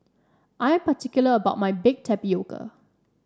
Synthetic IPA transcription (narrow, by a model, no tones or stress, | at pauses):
ʔajə̃mpətʰikjuləəbaʊt̚majbɪɡ̚tʰɛpjoɡə̰